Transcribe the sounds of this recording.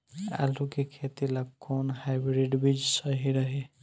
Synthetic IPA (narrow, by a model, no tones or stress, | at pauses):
a̰lukekʰet̪ilaɡkːɔnhajbɾeɖbid͡ʒsəɦiɾəɦe